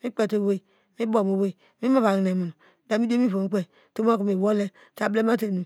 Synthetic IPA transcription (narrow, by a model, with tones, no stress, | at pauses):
mi˦k͡pe˦˨to˦˨we˦˨ | mi˦bo˨mo˨we˦˨ | mi˦ma˦βa˨ŋ˨ne˨mu˨n˨ | da˨mi˦de˦mi˦fo˨ŋ˦k͡pe˦ | to˦m˦a˦ku˨mi˨wo˦le˦ | ta˨ble˦ma˦te˨nu˨